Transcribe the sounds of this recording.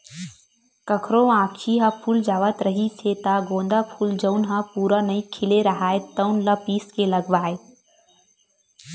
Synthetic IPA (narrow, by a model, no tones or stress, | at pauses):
kəkʰɾõãːkʃiɦapʰuːld͡ʒaːʋət̪ɾəɦiset̪aɡõːnd̪apʰuːld͡ʒəʊnɦapuːɾanɐĩkʰɪleɾəɦaːet̪əʊnlapiːskelɐɡʋaːe